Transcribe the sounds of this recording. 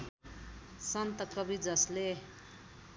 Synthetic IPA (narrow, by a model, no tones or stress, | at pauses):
sʌnt̪ʌkʌbid͡zʌsle